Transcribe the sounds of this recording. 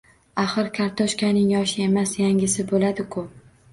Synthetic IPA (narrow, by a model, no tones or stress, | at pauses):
aχɨɾkʲʰaɾt̪ʰɒʃkʲanɪŋjɒʃɪe̞masjaŋʲɪsɪbolad̪ɪkʰʊ